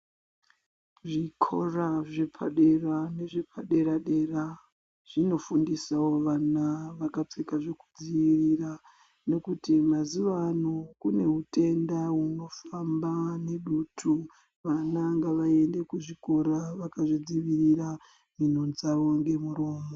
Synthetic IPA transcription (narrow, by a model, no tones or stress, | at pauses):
ʐikʰo̞̰raʐepʰaɗe̞rane̞ʐepʰaɗe̞ɾaɗe̞ra | ʐ̥ino̞fundisawo̞ʋanaʋakap͡fekaʐeku̥d͡ziʋirira | ne̞kutimaziʋanokune̞ɦutʰe̞ndaɦuno̞fambane̞ɗuːtʰu | ʋanaŋɡaʋae̞nde̞kuʐiko̞ɾaʋakaʐid͡ziʋirira | min̤ond͡zaʋo̞ŋɡe̞muɾoːmo